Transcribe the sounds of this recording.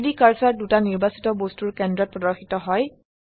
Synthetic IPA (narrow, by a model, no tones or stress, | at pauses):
dikaɹsaɹdutaniɹbasi̥tɔbostuɹkɛndɹɔt̚pɹɔdɔɹxitɔɦɔj